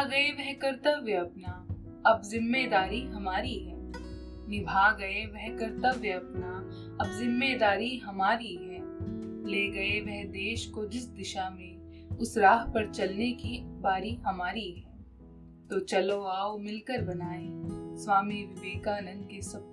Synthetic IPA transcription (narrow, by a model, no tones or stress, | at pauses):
aɡɐeʋɛɦkɐɾt̪əʋjəɐpna | ɐbzɪmːed̪aːɾiɦɐmaːɾiɦɛː | nɪbʱaɡɐeʋɛɦkɐɾt̪əʋjəɐpna | ɐbzɪmːed̪aːɾiɦɐmaːɾiɦɛːleɡɐeʋɛɦd̪eːʃkod͡ʒɪsd̪ɪʃamẽ | ʊsɾaːɦpɐɾt͡ʃɐlnekibaːɾiɦɐmaːɾiɦɛː | t̪oːt͡ʃɐloaːomɪlkəɾbɐnaːẽswaːmiʋɪʋeːkanɐ̃nd̪̚kesɐp̚